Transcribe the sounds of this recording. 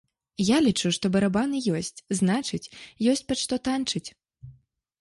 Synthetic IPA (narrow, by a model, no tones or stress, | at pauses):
jalʲit͡ʂuʂt̪ɔbɐɾabanɨjɔsʲt͡sʲznat͡ʂɨt͡sʲjɔsʲt͡sʲpaʂt̪ɔt̪ant͡ʂɨt͡sʲ